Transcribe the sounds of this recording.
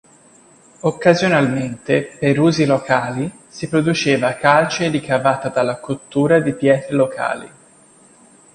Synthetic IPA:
okːazjonalment̪epeɾuːzilokʰaːli | sipɾod̪ut͡ʃeːvakalt͡ʃeɾikavaːt̪ad̪alːakot̪ːuːɾad̪ipjɛːt̪ɾelokʰa̰ːlḭ

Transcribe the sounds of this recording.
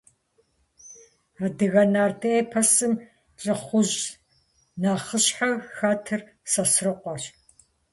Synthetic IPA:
aːdɨɣɐnaːrtʰɐeːpʰɐsɨm | t͡ʃʼɐχʷʊʑ | naːχəɕħaɣxaːtʰɨr | sɐsrɨqʷɔɕ

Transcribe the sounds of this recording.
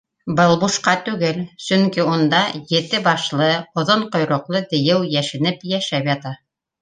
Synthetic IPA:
bɤlˠbuʃqɑt̪ʉɡɘlsɵŋkiund̪ɑjɘ̆t̪ɘbɑʃlˠɤŏðoɴqŏjɾŏqlˠɤt̪ɘ̆jɘwjæʃɘ̆nɘpjæʃæpjɑt̪ɑ

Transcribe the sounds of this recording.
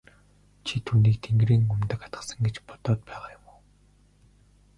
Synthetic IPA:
t͡ɕʰit̪ʰuːniːk̚t̪ʰeŋɡɾiːŋʊmt̪ə̆kḁt̪ɢə̆sə̆ŋɡet͡ɕpɔ̥t̪ɔːt̪̚pæːʁaːjʊmuː

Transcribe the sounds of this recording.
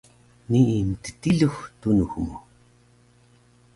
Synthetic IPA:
niint̪ə̥t̪iɮuxt̪unuxmu

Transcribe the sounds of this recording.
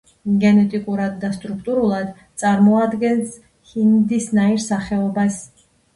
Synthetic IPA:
ɡɛnɛt̪ʼikʼuɾad̪ːast̪ʼɾuk̚ʰt̪ʼuɾulˠad̪t̪sʼaɾmɔad̪ɡɛns | hind̪isnaiɾsaχɛɔbas

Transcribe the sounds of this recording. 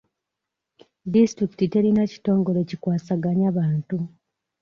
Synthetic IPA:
distɾiki̥tite̞ɾinaci̥to̞ːŋɡo̞le̞cikwaːsaɡaɲaβaːntu

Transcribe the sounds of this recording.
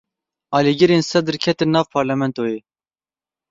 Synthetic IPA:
ɑːliɡɨɾeːnsɛd̪ɨɾkʰɛt̪ɨnːɑːvpʰɑːɾlɛmɛnt̪oːjeː

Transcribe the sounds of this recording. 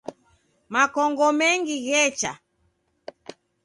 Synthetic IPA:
makɔŋɡɔmɛŋɡiɣɛt͡ʃa̰

